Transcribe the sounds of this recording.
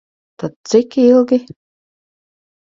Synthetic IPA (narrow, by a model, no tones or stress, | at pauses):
t̪ad̪̚t̪sɪkilˠɡʲi